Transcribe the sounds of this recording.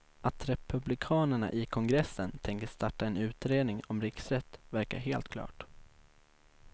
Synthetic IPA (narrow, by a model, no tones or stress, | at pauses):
ʔat̪ɾɛpɵblɪkʰɑːnəɳa̰ʔɪkʰɔŋɡɾɛsːənt̪ʰɛŋkəʂt̪aʈːaɛnʉ̟ːt̪ɾeːd̪nɪŋɔmɾɪksɾɛt̪ːvæɾka̰ɾɦeːlt̪kʰlɑ̰ːʈ